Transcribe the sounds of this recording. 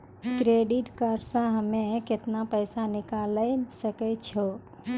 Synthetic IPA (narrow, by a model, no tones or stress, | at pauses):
kɾeɖiʈkaɾsãɦəmẽket̪napəjsanɪkaləsəkɛt͡ʃʰo